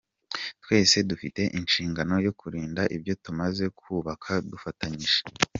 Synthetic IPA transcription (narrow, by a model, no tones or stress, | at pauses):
twe̞ːse̞dufite̞ʔinʃiːŋɡano̞jo̞kuɾiːndaʔibjo̞tumaze̞kʰuːβakʰadufataɲiʒe